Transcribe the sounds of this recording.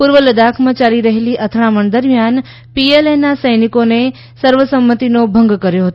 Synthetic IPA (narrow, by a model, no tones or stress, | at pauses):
puɾʋələd̪akʰmãt͡ʃaliɾəɦeliʔət̪ʰɾaməɳd̪əɾmjan | pielenasəjnikone | səɾʋəsəmːət̪inobʱəŋɡkəɾjoɦət̪o